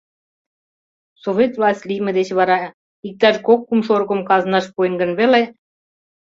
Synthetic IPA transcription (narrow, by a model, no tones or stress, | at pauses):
soβʲet̪vlɑsʲt̪ʲlʲijmə̆d̪et͡ɕβɑɾɑ | ik̚t̪ɑʃkokːumʃoɾɣə̆mkɑznɑʃpojənɡə̆nβele